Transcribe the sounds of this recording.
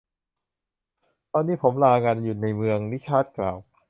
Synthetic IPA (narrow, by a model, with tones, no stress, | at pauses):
t̪ɔː˧nːiː˦˥pʰo˩˦mlaː˧ŋa˧nju˨˩na˧jmɯ˧əŋni˦˥t͡ɕʰaː˦˥˩t̪̚kla̰ː˨˩w